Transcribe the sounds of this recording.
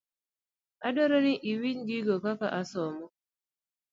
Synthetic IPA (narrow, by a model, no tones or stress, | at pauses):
adɔɾɔniʔiwiɲɡiɡokaka̰ʔasɔmɔ